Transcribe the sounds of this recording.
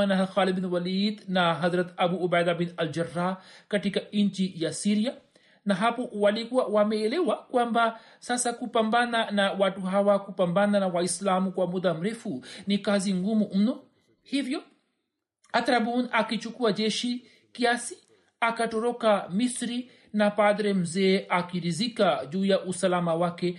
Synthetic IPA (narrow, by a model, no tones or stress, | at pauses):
anaɦaxalid̚binwalid̪naɦazɾat̪abuːbajd̪abinald͡ʒarːakatikaiɲt͡ʃijasiɾia | naɦapɔwalikuawamɛːlɛwakwamba | sasakupambananawatuɦawakupambananawaislamukwamud̪am̩ɾɛfunikaziŋɡumum̩nɔ | hivjɔ | at̪aɾabunakit͡ʃukuaʄɛʃi | kiasi̥ | akatɔɾɔkamisɾi | napadɾɛm̩zɛːʔakiɾizikaʄuːjaʔusalamawakɛ